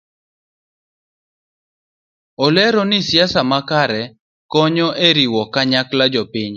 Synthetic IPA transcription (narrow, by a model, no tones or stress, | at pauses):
ɔlɛɾɔnɪsjasamakaɾɛ | kɔɲɔʔeɾiwɔkaɲaklad͡ʒɔpiɲ